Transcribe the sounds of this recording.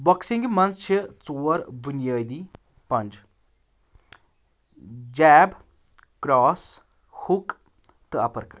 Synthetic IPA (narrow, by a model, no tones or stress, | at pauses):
bɐksiŋɡmɐnt͡st͡ʃʰit͡soːɾbunjaːd̪iː | pɐnd͡ʒ | d͡ʒɛːb | kɾaːs | huk | t̪ɨɐpɐɾk